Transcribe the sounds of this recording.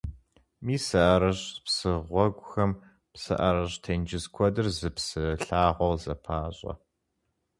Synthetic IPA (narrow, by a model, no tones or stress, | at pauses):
miːsɐʔɐɾɐɕpsɨʁʷɔɡʷʼʊxɐm | psɐ̰ʔɐɾɐɕtʰɐnd͡ʒɪzkʷʰɔdɨrzɨpsɨɬaːʁʷɔwzɐpʰaːɕʼɐ̰